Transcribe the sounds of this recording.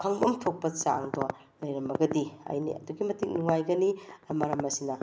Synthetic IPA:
kʰɐŋbɐmtʰok̚pɐt͡ʃa̰ŋdo | lɐjɾɐmɐɡɐdiɐ̰jnḭɐ̰duɡimɐtik̚nuŋajɡɐniɐmɐɾɐmɐsinɐ

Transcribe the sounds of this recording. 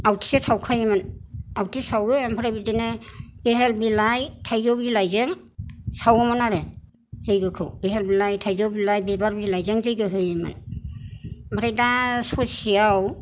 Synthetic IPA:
awtʰi̥sesʰawkʰajemɯnawtʰisawɯampʰaɾajbidenebeɦelbilajtʰajzobzilajzeŋ | sawɯmanaɾe | zɯjɡɯkʰɯwbeɦelbilajtʰajzowbilajbibaɾbzilajzeŋzɯjɡɯɦɯjemɯ̰n | bʱaɾajdasɔsiaw

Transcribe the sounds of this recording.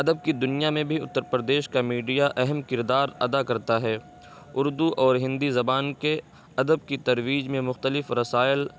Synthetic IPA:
ɐd̪əb̚kid̪ʊnijamẽbʱiʊt̪ːəɾpɾəd̪eːʃkamiːɖijaʔɛɦɛmkɪɾd̪aːɾɐd̪akɐɾt̪aɦɛː | ʊɾd̪uʔɔːɾɦɪ̃nd̪izɐbaːnke | ɐd̪əb̚kit̪ɐɾwiːd͡ʒmẽmʊxt̪əlɪfɾɐsaːɪl

